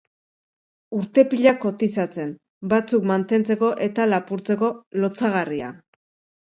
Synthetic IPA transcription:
uɾt̪e̞piʎako̞t̪isat͡se̞n | bat͡sukmant̪e̞nt͡se̞ko̞ʔe̞t̪alapuɾt͡se̞ko̞lo̞t͡saɣ̞aria̰

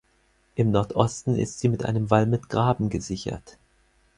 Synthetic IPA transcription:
ʔɪmnɔɐtʔɔstn̩ɪ̰stz̥iːmɪtʔa̰ɪnəmvalmɪtɡ̥ʁaːbm̩ɡəzɪçɐ̰t

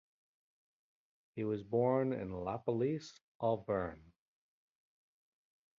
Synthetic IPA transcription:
hiwʌzbɔɹnɪ̰̃nlæpəlis | ʔɔbɜ̃˞n

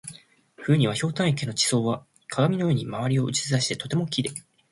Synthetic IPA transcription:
ɸɯ̟ːɲ̟iβaço̞ːt̪ãɰ̃ekʲeno̞t͡ɕi̥so̞ːβa | kʰaɡamʲino̞joːɲ̟imaβaɾʲio̞ʔɯ̟t͡ɕi̥zɨd̪aɕi̥t̪e̞̥t̪o̞t̪e̞mo̞kʲid̪e̞

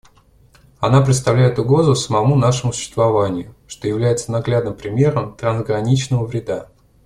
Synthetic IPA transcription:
ɐnapɾʲɪt̪st̪ɐvlʲæjɪt̪ʊɡɾo̞zʊsəmɐmun̪aʂəmʊsʊ̥ɕːɪst̪vɐvanʲɪjʊʂt̪o̞jɪvlʲæjɪt̪sənɐɡlʲad̪nɨmpɾʲɪmʲe̞ɾəmt̪ɾənzɡɾɐnʲit͡ɕnəvəvɾʲɪd̪a

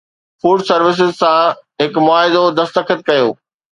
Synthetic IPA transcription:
fuːɖsɐɾʋɪs̬ɪzsãɦɪkmʊaːɪd̪od̪ɐst̪əkʰət̪̚kɐjoː

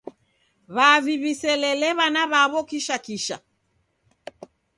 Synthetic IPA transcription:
βaviβisɛlɛlɛβanaβaβɔkiʃakiʃa

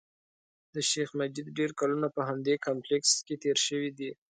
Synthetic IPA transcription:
d̪əʃexmad͡ʒid̪ɖeɾkalunapəɦamd̪ekampleksket̪eɾʃəwid̪i

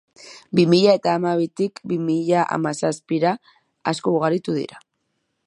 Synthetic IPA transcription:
bimiʎae̞t̪aːmaβ̞it̪ikbimiʎaʔa̰masaspiɾaː | skouɣaɾit̪uðḭɾa

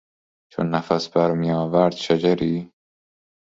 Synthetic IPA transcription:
t͡ʃʰo̰nːæfæsbæɾmijɑːvæɾd̪̥ʃad͡ʒæɾiː

